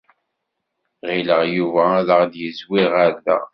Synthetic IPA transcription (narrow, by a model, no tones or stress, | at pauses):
ʁiləʁjuvæðəʁðjəzwiʁaɾðæ̰